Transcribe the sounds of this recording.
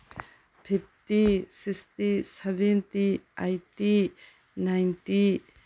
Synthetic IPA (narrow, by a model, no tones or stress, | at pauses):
pʰip̚tisist̪isɛbɛnt̪iajti | najnti